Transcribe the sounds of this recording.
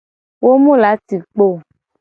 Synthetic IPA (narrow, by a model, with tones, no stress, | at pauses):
wo˦mũ˦la˨˦ti˨k͡po˦˨